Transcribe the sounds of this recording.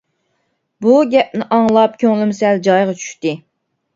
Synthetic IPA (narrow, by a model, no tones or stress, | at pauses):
buɡʲɛp̚nɪʔɑŋlˠɑp̚kʲʰøŋlɪmsɛld͡ʒɑjʁɑt͡ʃʰy̥ʃt̪ɪ